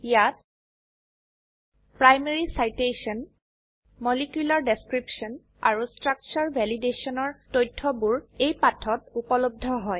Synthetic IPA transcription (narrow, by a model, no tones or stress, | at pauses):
ijat̚ | pɹajmeɹisajtesɔn | mɔlikjulaɹdeskɹipsɔn | a̰ɹustɹak̚t͡ʃɔɹbʱɛlidesɔnɔɹtojtʰːɔbuɹejpatʰɔtupɔlob̚dʱɔɦɔj